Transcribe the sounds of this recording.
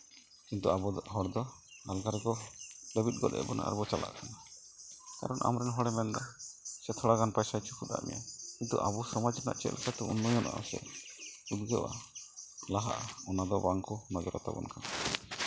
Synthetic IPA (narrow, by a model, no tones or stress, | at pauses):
kint̪uabɔɦɔɽd̪ɔalɡaɾɡɔləbit̪̚ˀɡɔlɛ̰ʔbɔna̰ʔa̰ɾbɔt͡ʃala̰ʔkʰana | ka̰ɾɔnʔa̰mɾɛnɦɔɽɛmɛnd̪ɔsɛt̪ʰɔɽaɡanpajsajt͡ʃʰu̥kʰud̪a̰ʔmɛ̰ja̰kint̪ṵʔabusɔmad͡ʒna̰ʔt͡ʃɛ̰ʔlkat̪ɛunːɔjɔnʔa̰ʔɔsɛ̰ud̪ɡɛwa | laɦa̰ʔaɔnad̪ɔbaŋkɔnɔd͡ʒɔɾɔ̰t̪a̰bɔ̰nkʰa